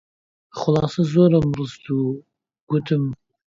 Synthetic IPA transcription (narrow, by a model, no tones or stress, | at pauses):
χʊlˠɑːsɐzoɾɐmrɨst̪u | ɡ̥ut̪ʰɨm